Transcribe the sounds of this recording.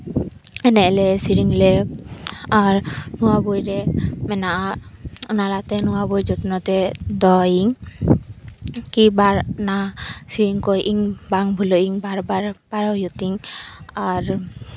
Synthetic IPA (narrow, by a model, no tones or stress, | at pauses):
ɛnɛlɛsiɾiŋlɛ | arnuabɔjɾɛmɛnaaunalat̪ɛnuabɔjd͡ʒɔt̪nɔt̪ɛd̪ɔiŋ | kibaɾnasiɾiŋkɔjiŋbaŋbuluiŋbaɾbaɾpaɾɔjut̪iŋaɾ